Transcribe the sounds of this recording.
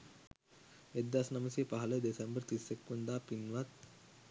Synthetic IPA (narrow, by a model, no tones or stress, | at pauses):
ed̪ːasnɐməsiːpaɦɐləd̪esembəɾt̪isːekːund̪aːpinʋat̪̚